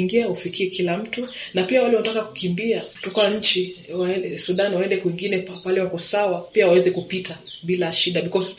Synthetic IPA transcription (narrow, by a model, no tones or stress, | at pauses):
ŋɡiahufikʰiɛkʰilam̩tunapiawalɛwanatakaku̥kimbiatɔkaaɲ̩t͡ʃiwsuɗanwaɛndɛkwiŋɡinɛpalɛwakɔsawapiawawɛzɛkupita | ɓilaʃiɗabikɔz